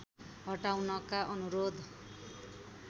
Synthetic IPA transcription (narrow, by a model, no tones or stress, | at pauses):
ɦʌʈawnʌkaʔʌnuɾod̪